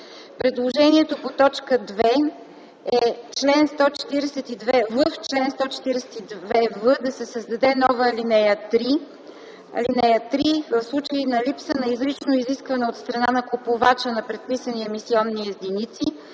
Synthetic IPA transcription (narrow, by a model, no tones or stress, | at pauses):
pɾɛd̪lˠoʒɛniɛt̪opot̪ɔt͡ʃkəd̪vɛ | ɛt͡ʃlɛnst̪ɔt͡ʃɛ̥t̪iɾɛsɛt̪id̪vɛvəft͡ʃlɛnst̪ɔt͡ʃɛ̥t̪iɾɛsɛ̥t̪id̪vɛvəd̪ɐsɛsəzd̪ɐd̪ɛnɔvəːlinɛjət̪ɾi | ɐ̰linɛjət̪ɾivəfslˠut͡ʃəinɐlipsənɐizɾit͡ʃnoiziskvɐnɛot̪st̪ɾɐnanɐkupovat͡ʃənɐpɾɛt̪̚pisəniɛmisiɔnːiɛzd̪init̪si